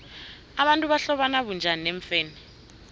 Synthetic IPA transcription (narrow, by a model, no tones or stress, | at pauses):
aɓantʼuɓaɬɔɓanaɓund͡ʒʱanineɱfɛːnɛ